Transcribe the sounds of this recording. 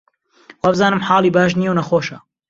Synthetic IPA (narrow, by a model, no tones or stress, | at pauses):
waːbɨzaːnɨmħɑːlˠiːbaːʃ̬nijewnɐxoːʃɐ̰